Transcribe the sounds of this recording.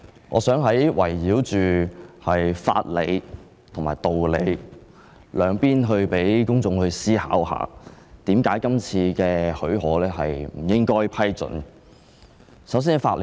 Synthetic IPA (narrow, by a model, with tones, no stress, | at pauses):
ŋʔɔː˨˧sœː˨˥ŋɦɐ˨˥jwɐ̰˨˩jːiː˨˥wt͡ʃyː˨hɐ˨jfa̰ː˧t̚le˨˧j | t̪ʰʊ˨˩ŋmaː˨˩jt̪o˨wle˨˧j | lœː˨˧ŋpiː˥nɦɵ˧ɥpe˨˥jkʊ˥ŋt͡sʊ˧ŋhɵ˧ɥsiː˥haː˨˥wɦa̰ː˨˧t̪iː˨˥mkaː˨˥jkɐ˥mt͡sʰiː˧kɛː˧hɵ˨˥ɥɦɔː˨˥lɛː˥ɦɐ˨jm̩˨˩jɪ˥ŋkɔː˥jpʰɐ˥jt͡sɵ̰˨˧˥n | sɐ˨˥ws̬iː˥nfa̰ː˧t̚l